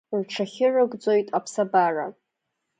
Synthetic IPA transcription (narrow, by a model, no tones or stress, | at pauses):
rʈ͡ʂʰaχʲɪrɨɡʷd͡zo̞jtʼapʰsabara̰